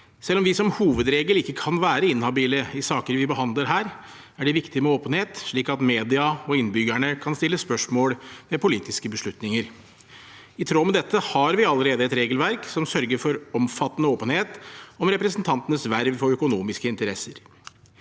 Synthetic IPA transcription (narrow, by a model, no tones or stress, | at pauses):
sɛlːɔmʋɪsɔmhuːʋəd̪ɾeːɡəlɪkːəkʰɑnʋæːɾəɪnhɑbiːləɪsɑːkəɾʋɪbəɦɑnd̪ləɾɦæːɾ | æɖɛʋɪkt̪ɪmɛoːpənheːt̪ʂɭiːkɑt̪meːd̪ɪɑɔɪnbʏɡæɳəkʰɑnst̪ɪlːəspœʂmoːlmɛpʊliːt̪ɪskəbəʂɭʉt̪nɪŋəɾ | ɪt̪ʰɾoːmɛd̪ɛt̪ːəhɑɾʋɪɑlːəɾeːd̪əɛt̪ɾeːɡəlʋæɾksɔmsœɾɡəɾfɔɾɔmfɑt̪ːənəoːpənheːt̪ɔmɾɛpɾɛsənt̪ʰɑnt̪ənəsʋæɾʋfɔɾœkʊnuːmɪskəɪnt̪əɾɛsəɾ